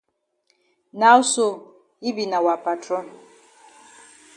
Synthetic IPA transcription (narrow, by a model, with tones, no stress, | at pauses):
na˦u˦so˨ | i˦bi˨na˨wa˨pa˨tɾɔ˦n